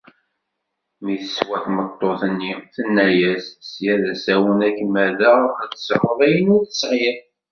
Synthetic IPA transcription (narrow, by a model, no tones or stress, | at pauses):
miθəswæθmət̪ˤːoθənːiθənːæjæsəsjæðæsæwənækmæðəæðəsəɾˤəðˤæjənʊɾθəsʕi